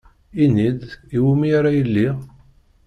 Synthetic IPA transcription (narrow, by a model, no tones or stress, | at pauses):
inid̪iwumiaɾajəlːi